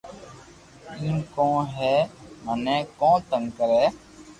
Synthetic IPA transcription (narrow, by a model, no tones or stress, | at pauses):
ĩːmkõːɦɛːmənɛ̃ːkõːt̪əŋkəɾɛː